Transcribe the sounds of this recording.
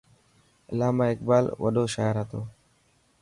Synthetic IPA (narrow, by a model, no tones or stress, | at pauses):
əlaːmaːɪkbaːlʋə̰ɗoːʃaːəɾɦət̪oː